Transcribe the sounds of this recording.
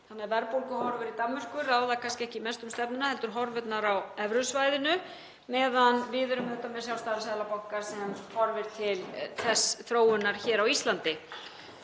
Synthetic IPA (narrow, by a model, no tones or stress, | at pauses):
θanːɛɾvɛɾpowlkʏhɔɾvʏɾit̪amːʏr̥kʏɾaːwðakʰanscɪɛhcɪimɛst̪ʏmst̪ɛpnʏnahɛlt̪ʏɾɦɔɾvʏt̪naɾawɛvɾʏsvajðɪnʏ | mɛːðanvɪːðʏɾʏmɛt̪ːamɛ̥sjaw̪st̪aːɾasaːðlapawkaɾ̥sɛmhɔɾvɪɾt̪ʰɪlθɛsːθɾoːwʏnːaɾ̥çɛːɾawist̪lant̪ɪ